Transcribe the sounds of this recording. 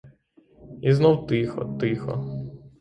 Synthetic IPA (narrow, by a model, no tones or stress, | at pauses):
iznɔwt̪ɪxɔ̰t̪ɪxɔ̰